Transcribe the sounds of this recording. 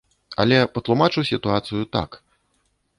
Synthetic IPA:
ɐ̰lʲɛpɐt̪lˠumat͡ʂɨwsʲit̪uat̪sɨjut̪a̰k

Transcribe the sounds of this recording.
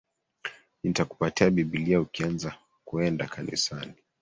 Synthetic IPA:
itaku̥patiaɓiɓiliaukianza | kuɛndakʰanḭsani

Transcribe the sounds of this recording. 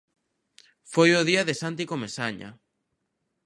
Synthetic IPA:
fojoðiaðesant̪̬ikomesaɲa̰

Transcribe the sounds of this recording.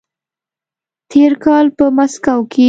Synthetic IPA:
t̪ʰeɾkɑlpəmaskawkʰe

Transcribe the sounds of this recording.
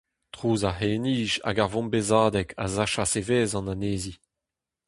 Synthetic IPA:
tχuːzaheːniːʃa̰ɡaʁvɔ̃mbezaːd̪ɛkʰa̰zaʃaseveːzɑ̃naneːzi

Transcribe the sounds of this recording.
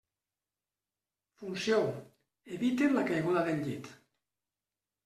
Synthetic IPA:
funsjo | eβit̪enlakajɣuðaðenʎit̪

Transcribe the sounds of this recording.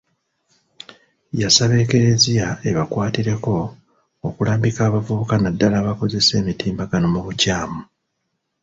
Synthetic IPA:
jasaβe̞ːke̞ɾezijae̞βakwaːtiɾe̞ko̞ː | kulaːmbikaːβavuβukanadːalaβako̞ze̞se̞ːmitiːmbaɡano̞muβucaːmu

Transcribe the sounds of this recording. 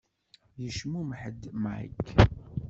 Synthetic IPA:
jəʃmumħəd̪ma̰jk

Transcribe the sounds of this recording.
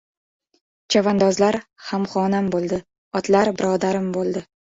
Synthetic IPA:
d͡ʒʰavand̪ɒzlaɾhamχɒːnambolˠd̪ɪ | ɒt̪laɾbɪɾɒːd̪aɾɪmbolˠd̪ɪ

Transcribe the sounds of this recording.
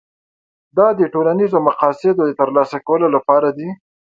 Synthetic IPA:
d̪ɑd̪əʈolanizomaqɑsɪd̪od̪ət̪əɾlɑsakawəlolapɑɾad̪i

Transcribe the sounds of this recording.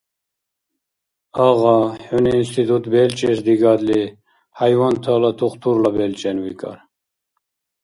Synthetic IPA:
ɑʁɑhɔniːnst̪ʰit̪ʰut̪bɛlt͡ʃʼɛsd̪iɡɑd̪li | hajwɑnt̪ʰalɑt̪ʰuχt̪ʰuɾlabɛlt͡ʃʼɛnwikʰʼɑ̰ɾ

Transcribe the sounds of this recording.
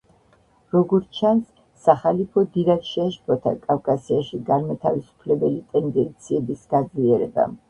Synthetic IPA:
ɾɔɡɔɾt͡ʃʰansː | aχalipʰɔd̪iɾakʃɛaʃpʰɔt̪ʰa̰kʼafkʼasiaʃiɡaɾmat̪ʰavisu̥pʰlɛbɛlit̪ʼɛnd̪ɛnt̪sʰiɛbisɡ̥ad̪zliɛɾɛba̰

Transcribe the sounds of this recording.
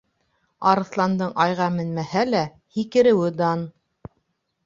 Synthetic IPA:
ɑɾɤ̆θlˠɑnd̪ɤɴɑjʁɑmɘ̆nmæhælæ | hikɘ̆ɾɘ̆wɘd̪ɑn

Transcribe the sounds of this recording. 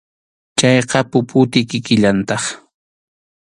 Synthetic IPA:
t͡ʃajqɑpʊpʊt̪ɪkɪkɪʎant̪ɑχ

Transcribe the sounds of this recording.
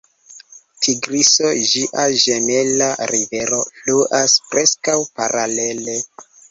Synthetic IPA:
tʰiɡɾiso̞ʒiʔaʒene̞laɾive̞ɾo̞fluʔaspɾe̞skawpaɾale̞le̞

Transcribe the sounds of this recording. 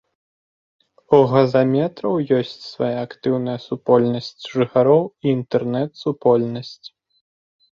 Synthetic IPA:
uɣɐzamʲɛt̪ɾɐwjɔsʲt͡sʲsvajaakt̪ɨwnɐjɐsupɔlʲnɐsʲt͡sʲʐɨxaɾɔwiːnt̪ɛrnɛt̪supɔlʲnɐsʲt͡sʲ

